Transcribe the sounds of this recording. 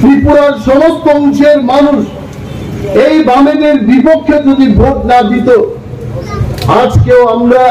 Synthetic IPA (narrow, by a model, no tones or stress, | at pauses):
t̪ɾipuɾaɾʃɔmok̪̚kːɔŋʃeɾmanuʃ | ejbamedeɾbipokʰːjod͡ʑod̪ibʱoʈnad̪it̪o | ad͡ʑkeoamla